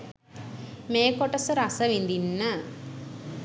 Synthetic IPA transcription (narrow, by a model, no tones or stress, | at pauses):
meːkoʈəsəɾasəʋind̪inːə